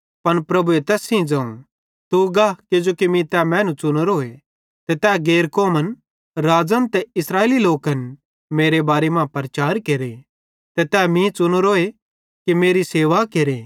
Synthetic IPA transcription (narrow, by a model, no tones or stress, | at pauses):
pɐnpɾɐbuet̪ɛːsĩd͡ʒãːṵ̃ | t̪uɡaːked͡ʒoːkimĩt̪ɛːmɛ̃ːnũt͡ʃʊnoɾoːe | t̪ɛt̪ɛːɡeːɾkoːmən | ɾaːd͡ʒə̃nt̪ɛɪsɾaːeːliloːkɐn | meːɾebaːɾemãːpɐɾt͡ʃaːɾkeːɾe | t̪ɛt̪ɛːmĩt͡ʃʊnoɾoːe | kimeːɾiseːʋakeɾeː